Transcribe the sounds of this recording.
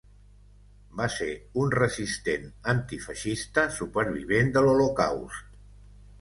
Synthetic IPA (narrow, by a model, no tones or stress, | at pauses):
baseunrəzist̪enənt̪ifəʃist̪əsupəɾβ̞iβ̞end̪əloloka̰wst̪